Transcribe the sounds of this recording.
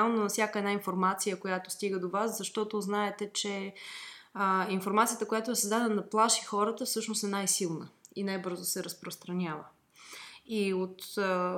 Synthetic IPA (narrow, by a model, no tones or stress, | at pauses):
alˠnonɐfsʲjakəɛd̪nainfoɾmat̪sijəkojat̪ost̪iɡəd̪ovaszɐʃt̪ɔt̪oznaɛt̪ɛt͡ʃɛ | infoɾmat̪sijət̪əkojat̪oɛsəzd̪ad̪ɛnəd̪ɐplˠaʃixɔɾət̪əfsɤʃnost̪ɛnajsilˠnə̰inajbɤɾzosɛɾəspɾost̪ɾɐnʲavə | iot̪